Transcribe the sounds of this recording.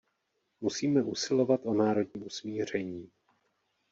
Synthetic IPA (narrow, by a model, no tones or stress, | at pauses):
musiːmɛʔusɪlo̞vat̪ʔo̞naːɾo̞dɲiːusmiːr̝ɛɲiː